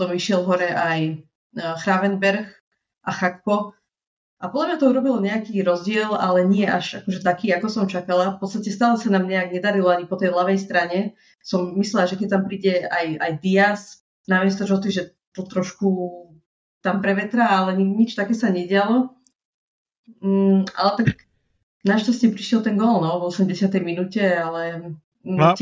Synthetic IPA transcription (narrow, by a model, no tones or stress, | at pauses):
sɔmiʃɪɛlvɦɔɾɛʔaj | xɾaʋɛnbɛɾx | ʔaxakːɔ | ʔapɔd̪lamɲat̪ɔuɾɔbilɔɲɛakiːɾɔzɟɪɛlalɛɲɪɛʔaʒakɔʒɛt̪akiːakɔsɔmt͡ʃakalafpɔt̪t͡sst̪acɛst̪aːlɛsanaːmɲɛaɡɲɛd̪aɾilɔaɲipɔt̪ɛjɦlaʋɛjst̪ɾaɲɛ | sɔmːislɛlaʒɛkɛc̚t̪ampɾiːɟɛaja̰jd̪ias | namɛs̬t̪ɔd͡ʒɔt̪iʒɛ | t̪ɔt̪ɾɔʃku | t̪ampɾɛʋɛt̪ɾaalɛɲiɲit͡ʃt̪akɛːsaɲɛɟɪalɔ | a̰lɛt̪ak | naʃtascɛpɾiʃjɛlt̪ɛŋɡɔlnɔʋɔsɛmɟɛsɪat̪ɛjminucɛalɛ